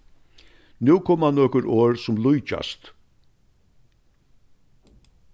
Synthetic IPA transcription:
nʉːkʰɔːmanːɔːkʊɾʔoːɾsʊmlʊjt͡ʃa̰st̪

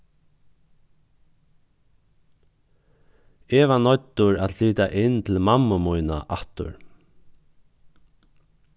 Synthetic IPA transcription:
ɛːvanɔt̪ːʊɾat̪liːt̪aʔɪnt̪ʰɪlmamːʊmujna̰ʔaht̪ʊ̰ɹ

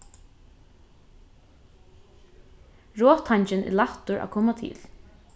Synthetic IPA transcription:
ɹoːt̪ʰaɲt͡ʃɪnʔɪ̰laht̪ʊɹʔa̰kʰɔːmat̪ʰɪ̰ːl

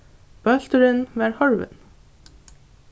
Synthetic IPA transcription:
b̥œlt̪əɾənʋæːɹhɔɹʋə̰n

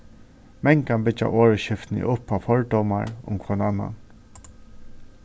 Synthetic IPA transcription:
mɛŋkanbɪt͡ʃa̰ʔoːɹəʃɪft̪nɪ̰ʔʊpːafɔɹd̪ɔwmaɹʊ̰mkʰvɔnaːnːa̰n

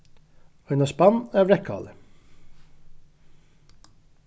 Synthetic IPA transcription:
ɑʏnɑspɑnæːʋɹɛkʰɑ̰ːlə

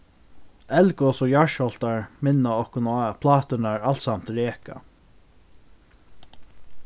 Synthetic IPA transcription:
ɛlkɔsɔjaʃɔlt̪aɹmɪnːaɔhkʊnpʰlɑːt̪ʏnaɹal̥t̪samt̪ɾeːka̰

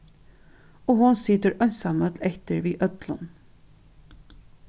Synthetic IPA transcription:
oːhʊnsɪt̪əɾœnsɑmœt̪lɛçt̪əɾʋiːʔœt̪lə̰n

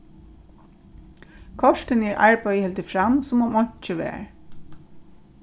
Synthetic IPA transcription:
kʰɔʂt̪ɪnɛɹʔa̰ɹpœɥjhɛlt̪ɪfɹamsʊmɔmɔɲ̥t͡ʃəʋɛ̰ːɹ

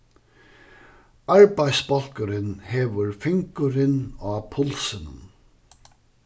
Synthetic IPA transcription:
aɹbajsbɔl̥kəɾɪnheːʋəɹfɪŋkʊɾɪnɑːpʰʊlsənə̰n

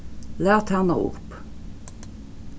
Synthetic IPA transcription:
læːʁt̪ʰænə̰ːʊ̰p

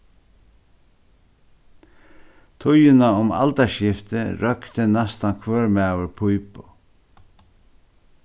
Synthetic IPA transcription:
t̪ʰʊjɪnaʊma̰lt̪aʃɪft̪ɪɾœkt̪ənɛst̪ankʰvœːɹmæːwəɹpʰujpʊ

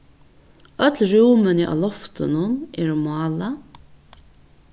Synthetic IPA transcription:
œt̪lɾuːmɪnɪʔa̰lɔft̪ɪnʊnɛɾʊmɑːla

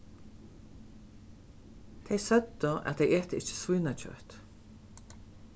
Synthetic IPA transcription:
t̪ʰɛjsœt̪ːəʔa̰t̪eɪʔeːt̪əɪt͡ʃə̥svuːnat͡ɕʰœ̰ht̪

